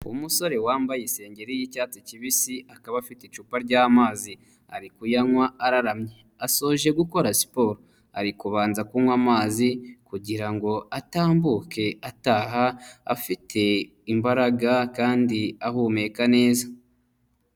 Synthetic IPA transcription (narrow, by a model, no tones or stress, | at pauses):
umuso̞ɾe̞waːmbajise̞ːɲɟe̞ɾijicaːt͡siciβisiakaβafiteit͡ʃuːpaɾɟaːmaːzi | a̰ɾikujaŋwaaɾaɾamɲe | aso̞ʒe̞ɡuko̞ɾasi̥po̞ːɾo | aɾikuβaːnzakumwaːmaːzikuɟiɾaŋɡo̞ataːmbuke̞ataɦaa̰fitʰe̞ | imbaɾaɡakaːndiaɦuːme̞kane̞ːza